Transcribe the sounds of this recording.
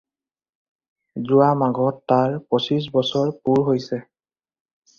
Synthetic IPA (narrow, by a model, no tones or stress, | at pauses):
zʊwamaɡʱɔtːaɹposis̬bɔsɔɹpuɹɦojsɛ